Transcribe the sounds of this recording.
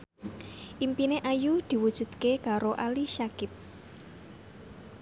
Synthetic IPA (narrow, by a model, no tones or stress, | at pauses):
ʔimpineʔajud̪̥i̤wud̥ʒ̥ṳd̪̥kekaɾoʔaliʃakɪp̚